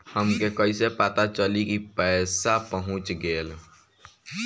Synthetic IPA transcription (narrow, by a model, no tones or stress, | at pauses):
həmkekəɪsepat̪at͡ʃəlikipɛːsapəɦʊ̃t͡ʃɡeːl